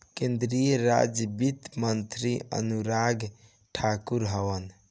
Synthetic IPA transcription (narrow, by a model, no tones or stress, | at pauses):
kẽnd̪ɾijəɾa̰d͡ʒbit̪mənt̪ɾiə̰nuɾaɡ | ʈʰakuɾɦəʋən